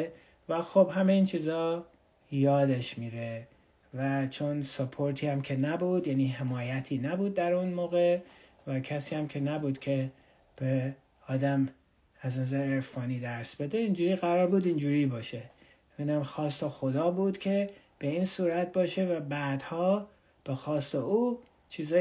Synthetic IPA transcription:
væxobhæme̞iːnt͡ʃʰiːzɒː | jɒːd̪e̞ʃmiːɾe | væt͡ʃʰo̞nsopʰoɾt̪ʰiːæmcʰe̞næbuːd̪jæniːɦe̞mɒːjæt̪ʰiːnæbuːd̪̚ːæɾunmoːɣe | væcʰæsiːæmkʲʰe̞næbuːd̪̥kʲʰe̞ | b̥e | ɒːd̪æm | æznæzæɾeeɾfɒːniːd̪æɾsb̥e̞d̪e̞ind͡ʒuːɾiːɣæɾɒːɾbuːd̪ind͡ʒuːɾiːbɒːʃe̞ | iːnæmxɒːst̪exo̞d̪ɒːbuːd̪cʲʰe̞ | b̥e̞iːnsuːɾæt̪̚bɒːʃe̞væbæːd̪̥hɒː | b̥e̞xɒːst̪euː | t͡ʃʰiːzɒː

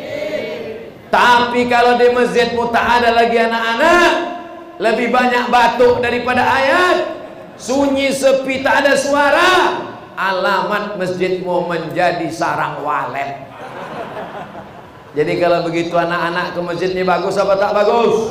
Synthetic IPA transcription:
t̪apikalodiməsd͡ʒɪt̪̚mut̪aʔːdalaɡianakanaʔ | ləbɪhbaɲak̚bat̪ʊʔdaɾipadaːjat̪̚ | suɲisəpit̪aːdasuaɾa | ʔalamat̪̚məsd͡ʒɪt̪̚muməɲd͡ʒadisaɾaŋwa̰lɛ̰t̪̚ | d͡ʒadikalawbəɡit̪uanakanaʔkəməsd͡ʒɪt̪̚ɲabaɡʊsapat̪aʔbaɡʊs

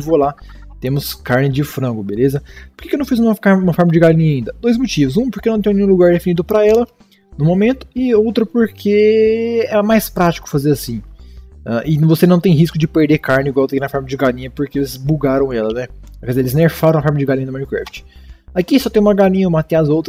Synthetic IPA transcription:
ɪvola | t̪ẽmʊskaɾnɪd͡ʒɪfɾɐ̃ɡʊbelezɐpoɾkekewnɐ̃w̃fizũumɐfkaũmɐfɔɾmɐd͡ʒɪɡalĩɲɐĩnd̪ɐd̪ojzmot͡ʃivʊs̬ũp̬oɾkenɐ̃t̪ẽj̪̃ẽjũluɡaɾd̪efinid̪ʊpɾɐɛlɐ | nũmomẽnt̪ʊ̥ɪowt̪ɾɐpoɾkʰe | ɛmajspɾat͡ʃi̥kʊ̥fazeɾasĩɛ̃ʔɪvosenɐ̃w̃t̪ẽj̃ɦiskʊd͡ʒɪpeɾd̪ekaɾnɪiɡwawt̪ɐkĩnɐfɔɾmɐd͡ʒɪɡalĩɲɐpoɾkeelɪzbuɡaɾɐ̃w̃ɛlɐnɛkɛzeelɪzneɾfaɾɐ̃ɐafɔɾmɐd͡ʒɪɡalĩɲɐd̪mɐ̃nikɾɛ̰ft͡ʃɪ̥akisɔt̪ẽj̃umɐɡalĩɲɐumɐt̪ẽɐzowt̪ɾɐ

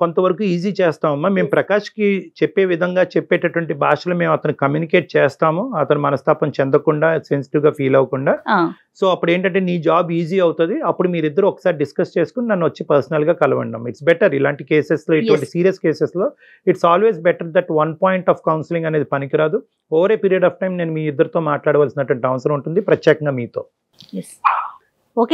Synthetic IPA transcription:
ko̞nt̪ɐʋɐɾɐkuːiːziːt͡ʃeːst̪aːmɐmːaːmeːmupɾɐkaːʂɐ̥kit͡ʃɛpːe̞ːʋid̪ʱɐŋɡaːt͡ʃɛpːeːʈɐʈʋɐɳʈibʱaːʂɐlome̞ːmɐt̪ɐnikɐmjuːnikeːʈ̚t͡ʃeːst̪aːmuɐt̪ɐnumɐnɐst̪ʰaːpɐmt͡ʃɛnd̪ɐkuɳɖaːsens̬i̥ʈiʋɡaːpʰiːlɐʋɐkuɳɖaː | so̞ːɐpːuɽeːɳʈɐɳʈeːniːd͡ʒaːbiːziːɐwut̪und̪iɐpːuɽumiːɾid̪ːɐɾuɔkːɐ̥saːɾiɖiskɐst͡ʃe̞ːsu̥kuninɐnːuʋɐt͡ʃːipɐɾsɐnɐlɡaːkɐlɐʋɐ̰ɳɖa̰ːmiʈsbɛʈɐɾilaːɳʈikeːsesloːiʋɐɳʈisiːɾijɐskeːseslo̞ː | iʈsaːlʋe̞ːzbɛʈɐɾd̪ɛʈʋɐnpaːjiɳʈaːfkɐwnsliŋɡɐne̞ːd̪ipɐnikiɾaːd̪u | oːɾe̞ːpiːɾijɐɖaːfʈɐjmne̞ːnumiːid̪ːɐɾut̪o̞ːmaːʈlaːɽɐʋaːlsinɐʈuʋɐɳʈiɐʋɐsɐɾɐmuɳʈund̪ipɾɐt̪jɛːkɐŋɡaːmiːt̪o̞ː | ok

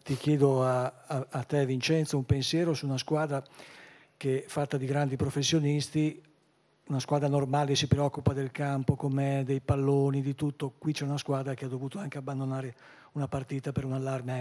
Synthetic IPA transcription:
t̪ik̟jɛːd̪oaː | t̪ːɛvint͡ʃɛnt̪soumpensjɛːɾosuːnaskwaːd̪ɾa | kefːat̪ːad̪iɡɾand̪ipɾofesːjonist̪i | unaskwaːd̪ɾanormaːlesipɾeɔkːupad̪elkampokomɛɛd̪ejpalːoːnid̪it̪ut̪ːokwit͡ʃɛunaskwaːd̪ɾakead̪ovuːt̪oaŋkeabːand̪onaːɾe | unapart̪iːt̪apeɾunalːarm

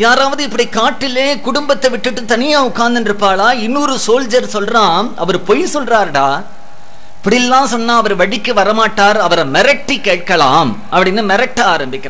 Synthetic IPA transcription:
jaːɾaːʋɐðɯɪpːɐɽikaːʈːɪleːkʊɽʊmbɐt̪ːɐʋɪʈːɯʈːɯt̪ɐnɪjaʊkːaːnd̪ɪnɾɯpːaːɭaːɪnːuːɾɯsoːld͡ʒɐɾsɔlɾaːmɐ̰ʋɐɾpɔjsɔlraːɾʈaː | ɪpːɐɽɪjɛlːãːsɔnːaːɐʋɐɾʋɐɽɪkːɯʋɐɾɐmaːʈːaːɾɐʋɐɾɐmɛɾɐk̚ʈːikːeːʈ̚kɐla̰ːm | ʔɐpːɐɽɪnːɯmɛɾɐk̚ʈːɐaːɾɐmbɪkːɐɾã

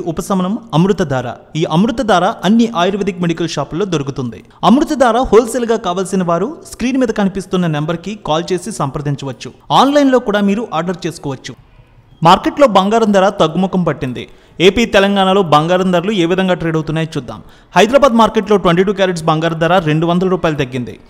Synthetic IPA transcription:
ʔupɐsɐmɐnɐmɐmɾut̪ɐd̪aːɾa̰ːiːʔɐmɾut̪ɐd̪aːɾaːʔɐnːiʔaːjɾʋɐd̪ʱikmeɽikɐlʃaːplːo̞ːd̪oɾukut̪und̪ḭ | ɐmɾut̪ɐd̪aːɾaːhoːlselɡaːkaːʋaːlsinɐʋaːɾuskɾiːnmiːd̪ɐkɐnipist̪unːɐnembɐɾkikaːlt͡ʃe̞ːsisɐmpɐɾd̪ʱiɲt͡ʃɐʋɐt͡ʃːuaːnlɐjnlo̞ːkuːɽaːmiːɾuʔaːɾɖɐɾt͡ʃe̞ːsu̥kɔːʋɐt͡ʃːu | maːɾke̞ʈlo̞ːbɐŋɡaːɾɐnd̪ɐːɾaːt̪ɐɡːumɔkɐmpɐʈːind̪ḭ | e̞ːpiːt̪ɛlɐŋɡaːɳalo̞ːbɐŋɡaːɾɐnd̪ɐɾlue̞ːʋid̪ʱɐŋɡaːʈɾeːɖɐwt̪unːaːjɐt͡ʃuːd̪ːa̰ːm | hɐjd̪ɾaːbaːd̪maːɾkeʈlo̞ːʈwʋeɳʈiːʈuːkjaːɾeʈs̬bɐŋɡaːɾɐnd̪aːɾaːɾe̞ɳɖuʋɐnd̪ɐlɐɾuːpaːjɐlɐd̪ɐɡːind̪ḭ

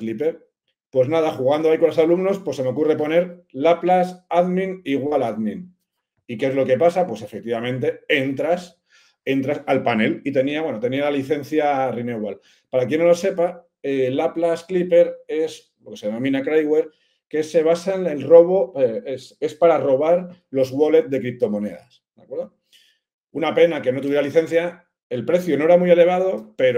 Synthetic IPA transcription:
klipe̞ɾ | pwe̞znað̞axuɣ̞and̪oaiko̞nlosalumno̞spwo̞sːe̞me̞o̞kure̞po̞ne̞ɾlaplasaðmĩniɣwalaðmĩn | ike̞zlo̞ke̞pasapwe̞sefek̚t̪iβamẽ̞nt̪̬e̞e̞nt̪ɾas | e̞nt̪ɾasalpane̞lit̪e̞niawe̞not̪e̞nialaliθe̞n̟θjarineɣwal | paɾakje̞nːolo̞se̞pa | elaplasklipe̞ɾes | lo̞ke̞seeno̞mĩnakɾajɣwe̞ɾ | ke̞se̞β̞asanelro̞β̞o̞ese̞spaɾaro̞β̞aɾlo̞zwo̞le̞t̪̚ðe̞kɾip̚t̪o̞mo̞ne̞̰ða̰sd̪̥akwe̞ɾðo | unape̞nake̞no̞t̪̬uβje̞ɾaliθẽ̞n̟θja | e̞lpɾe̞θjono̞e̞ɾamuje̞le̞β̞aðope̞ɾ

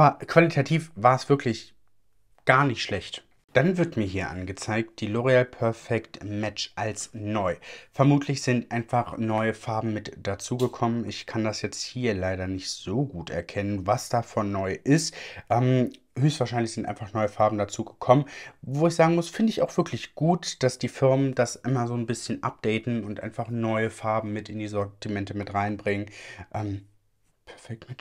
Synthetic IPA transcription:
ʔaːbɐkv̥alitʰatʰiːfvaːɐɛsv̥ɪɐkʰlɪç | ɡ̥aːɐnɪçtʃlɛçt | d̥anvɪɐtmiːɐɦiːɐʔa̰nɡət͡saɪk̚t̚d̥iːloʁealpʰœɐfɛktmɛt͡ʃʔalsnɔʏfɛɐmuːtʰlɪçz̥ɪntʔaɪnfaχnɔʏəfaɐbm̩mɪtd̥at͡suːɡəkʰɔmənɪçkʰandasjɛt͡sthiːɐlaɪɾɐnɪçtz̥oːɡuːtɛ̰ɐkʰɛnənvasd̥afɔnːɔʏʔɪstʔɛːm | høːçstv̥aːɐʃaɪnlɪçz̥ɪntʔa̰ɪnfaχnɔʏəfaɐbm̩dat͡suːɡəkʰɔmənvoːɪçz̥aːɡŋ̩mʊsfɪndəɪça̰ʊxv̥ɪɐklɪçɡ̥uːtd̥asd̥iːfɪɐməndasʔɪmɐzoːnbɪsçənʔa̰p̚d̥ɛɪtn̩ʊntʔa̰ɪnfaχnɔʏəfaɐbm̩mɪtɪndiːzɔɐtimɛntəmɪtʁaɪnbʁɪŋənʔɛːm | pʰɛɐfɛk̚tmɪt

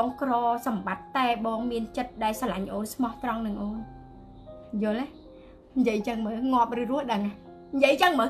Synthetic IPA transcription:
ŋkrɑːsɑmɓat̪ːaɛɓɑːŋmiənt͡ɕət̪̚ɗaɛlsalaɲʔoːnsʰmɑht̪rɑŋnɨŋʔoːn | jʊ̆əla | ɲjəəjt͡ɕəŋməːŋŏəp̚rɨːrʊ̆əhɗəŋah | ɲjəəjt͡ɕəŋməː

